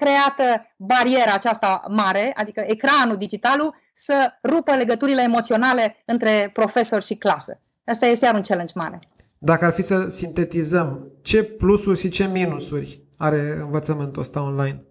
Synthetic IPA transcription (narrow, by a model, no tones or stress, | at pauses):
kɾe̞at̪əbaɾie̞ɾaːt͡ʃast̪amaɾe̞a̰d̪ikəʔekɾanud̪id͡ʒit̪alu | sərupəle̞ɡət̪uɾile̞ːmo̞t̪sio̞nale̞ɨnt̪ɾe̞pɾo̞fe̞so̞rʲʃiklasə̰ | at͡ʃt̪ajest̪ejaɾunt͡ʃelend͡ʒma̰ɾe̞̰ | d̪akəarfisəsint̪e̞t̪izəmt͡ʃe̞plusurʲʃit͡ʃe̞minusurʲ | aɾe̞ɨnvət̪səmɨnt̪uəst̪aonlajn